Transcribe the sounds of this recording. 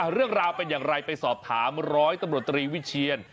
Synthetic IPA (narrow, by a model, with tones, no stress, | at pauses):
ʔa˧˩ɾɯ˥˩əŋɾaː˧wpe˧njaː˨˩ŋɾa˧jpa˧jsɔː˨˩p̚t̪ʰaː˩˦mɾɔː˦˥jt̪a˧mɾu˨˩ət̪ːɾiː˧wi˦˥t͡ɕʰi˧ən